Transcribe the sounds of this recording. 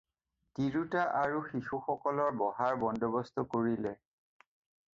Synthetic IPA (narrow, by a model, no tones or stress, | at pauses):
tiɹutaʔaɹuxixuxɔkɔlɔɹbɔɦaɹbɔndɔbɔstʰɔkoɹilɛ